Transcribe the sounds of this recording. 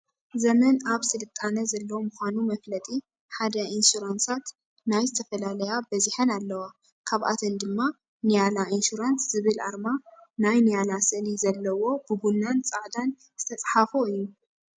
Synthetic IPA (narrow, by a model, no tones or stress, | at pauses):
zɐmɐnaβsɨlɨt̪ʼːanɐzɐlːɐwmʊxʷanumɐflɐt̪ʼi | ħad̪ɐinsuɾansat̪ | najzɨt̪ʰɐfɐlalɐjabɐziħɐnalːɐwa | kʰaβʔa̰t̪ʰɐnd̪ɨmːa | nijalaʔinsuɾansz̥ɨβɨlʔa̰ɾmanajnijalasɨnizɐlːɐwo̞bɨbunːant͡sʼaʕd̪an | z̥ɨt̪ʰɐt͡sʼħafoɨjːu